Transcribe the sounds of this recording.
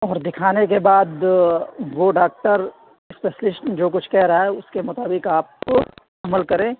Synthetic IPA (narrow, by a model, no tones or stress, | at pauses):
ɔːɾd̪ɪkʰaːnek̬ebaːd̪ | ʋoɖaːk̚ʈəɾ | speːʃəlɪʃənd͡ʒoːk̬ʊt͡ʃʰkɛɦɾɐɦaɛʊskemʊt̪aːbɪkaːp̚ | ɐməlkɐɾẽː